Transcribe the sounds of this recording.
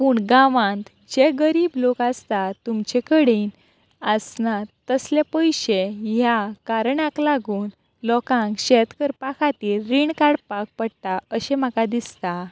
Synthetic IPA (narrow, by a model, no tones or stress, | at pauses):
puːɳɡãʋãnt̪ | d͡ʑeɡəɾiːblokast̪at̪umt͡ɕɛkəɽiːn | əsnat̪ːəslepəjɕeɦjakaɾɳãklaɡuːn | lɔkãŋkɕɛt̪kəɾpakʰat̪iːlːiɳkaɽpak̚pəɽt̪aəɕɛ̃m̤akad̪ist̪a